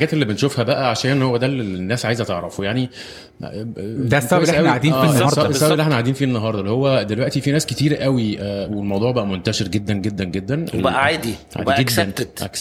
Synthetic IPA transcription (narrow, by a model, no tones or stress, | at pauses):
ħɡæːt̪elːibenʃofhæbæʔæʕaʃæːnʔenhowːæd̪ælːenːæːsʕaːjezæt̪eʕɾɑfojaʕni | d̪ææsʔæwiadiːnæːɑsæsːæblːʔeħnæʕad̪iːnfiːenːɑɦɑɾˤd̪ˤɑlːihowːæd̪elwæʔt̪ifinæːske̥t̪iːɾʔæwiæwelmɑwd̪ˤuːʕbæʔæmont̪æʃeɾɡed̪ːænɡed̪ːænɡed̪ːænebæʔæʕaːd̪iʕa̰ːdiɡedænet̪ʔæ̰k